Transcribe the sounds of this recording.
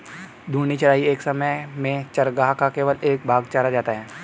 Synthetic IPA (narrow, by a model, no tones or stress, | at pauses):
d̪ʱuːnit͡ʃɐɾaːieːksɐməjmẽt͡ʃɐɾɡaːɦkakeːʋəleːk̚bʱaːɡt͡ʃaːɾad͡ʒaːt̪aɦɛː